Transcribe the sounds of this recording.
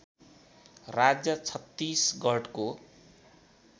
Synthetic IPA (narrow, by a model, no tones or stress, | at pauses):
rad͡zjʌt͡sʰʌt̪ːisɡʱʌʈko